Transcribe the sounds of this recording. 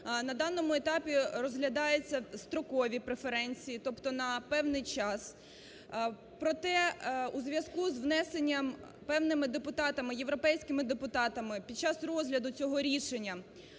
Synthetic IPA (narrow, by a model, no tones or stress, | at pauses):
nɐd̪ɑnːɔmʊet̪ɑpʲirɔzɦlʲɐd̪ɑjet͡sʲːɐst̪ɾɔkɔʋʲipɾefeɾɛnʲt͡sʲijit̪ɔpt̪ɔnɐpɛwnɪjt͡ʃɑs | pɾɔt̪ɛuzʋʲjɐskuzʋnɛsenʲːɐm | pɛwnɪmɪd̪epʊt̪ɑt̪ɐmɪje̞ʋɾɔpɛjsʲkɪmɪd̪epʊt̪ɑt̪ɐmɪpʲid̪̚t͡ʃɑsrɔzɦlʲɐd̪ʊt͡sʲɔɦɔɾʲiʃenʲːɐ